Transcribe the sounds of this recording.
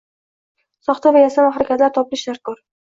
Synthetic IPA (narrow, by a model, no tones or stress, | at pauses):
sɒχt̪ʰavajasanaχɾakʲʰat̪laɾt̪ʰɒplɪʃaɾkɒɾ